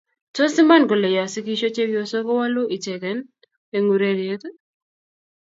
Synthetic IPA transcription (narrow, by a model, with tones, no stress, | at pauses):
to˦sɪ˦ma˦nɡo˨le˨ja˨si˦ki˦ʃo˦t͡ʃe˦wjo˨so˦ko˦wa˦lo˦ʔi˨t͡ʃɛ˨kɛ˨˦n | e˨ŋu˨ɾe˦ɾje˦t̪